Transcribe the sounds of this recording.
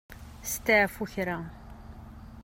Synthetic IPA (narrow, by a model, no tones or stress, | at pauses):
st̪aʕfuçɾa